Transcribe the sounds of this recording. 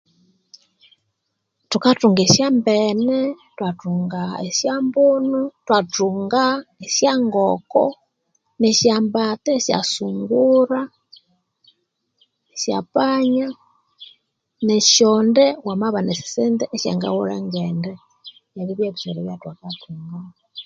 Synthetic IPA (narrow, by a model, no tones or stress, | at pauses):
tukatuːŋɡeʃjaːmbene | twatuːŋɡaesjaːmbunutwatuːŋɡaesjaːŋɡoko̰ | neʃjaːmbatesja̰suːŋɡuɾa | esja̰paɲa | neʃondewamaβanesi̥seːndeʔeʃja̰ŋɡa̰wuɾaŋɡeːnde | jaβiβjeβiseɾeβjatwakatuːŋɡa